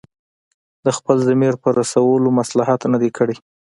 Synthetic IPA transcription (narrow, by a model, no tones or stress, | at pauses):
d̪əxpəlzəmeɾpəɾasawəlomaslaɦat̪nad̪ekʰəɽe